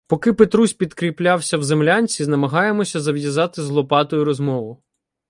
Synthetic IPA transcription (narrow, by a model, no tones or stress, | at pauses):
pɔkɪpet̪ɾusʲpʲid̪kɾʲiplʲawsʲɐwzemlʲanʲt͡sʲiznɐmɐɦɑjemɔsʲɐzɐʋjɐzɑt̪ɪzlˠɔpɑt̪ɔjʊɾɔzmɔʋʊ